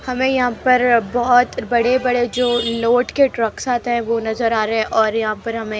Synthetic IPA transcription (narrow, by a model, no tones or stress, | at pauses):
hɐmẽjɐɦãpɐɾbɔɦɔt̪bɐɽebɐɽed͡ʒoːloːʈkeʈɾɐksaːt̪ɦɛ̃ʋonɐzəɾaːɾɐɦɛ̃ʔɔːɾjɐɦãpɐɾɦɐmẽ